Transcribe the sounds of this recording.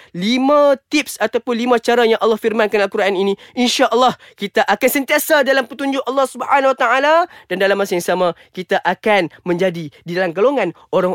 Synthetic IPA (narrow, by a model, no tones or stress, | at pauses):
limãt̪ip̚sat̪awpʊnlimãt͡ʃaɾajaŋʔɑlːɑhfirmankanalkuɾaʔaninĩinʃaʔəlːɑh | kit̪aʔakansənt̪iasadalampət̪uɲd͡ʒʊʔɑlːɑhsubhanawat̪aaladandalamːasajaŋsamãkit̪aʔakanmə̃ɲd͡ʒadididalamɡaloŋãnʔoɾaŋ